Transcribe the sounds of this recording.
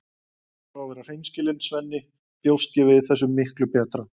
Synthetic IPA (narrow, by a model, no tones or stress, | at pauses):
θawvɛːɾar̥ejnscɪlɪnsvɛnːɪ | pjow̪st̪jɛvɪðθɛsːʏmːɪhklʏpɛːt̪ɾa